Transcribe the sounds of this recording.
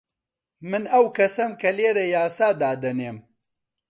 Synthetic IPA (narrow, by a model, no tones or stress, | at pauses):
mɨnɐwkʰɐsɐmkɐleːɾɐjaːsaːd̪aːd̪ɐneːm